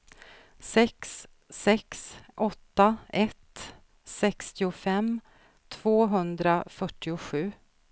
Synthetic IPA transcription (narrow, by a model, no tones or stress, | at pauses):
sɛksː | ɛksʔɔt̪ːaɛt̪ | sɛkst̪ɪʊfɛm | t̪ʰv̥oːɦɵnd̪ɾafœʈːɪʊɧʉ̟ː